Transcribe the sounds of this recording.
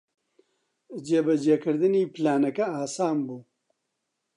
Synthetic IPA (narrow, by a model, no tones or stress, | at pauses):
d͡ʒeːbɐd͡ʒekʰɨɾd̪ɨniːplaːnɐkɐaːsaːmbuː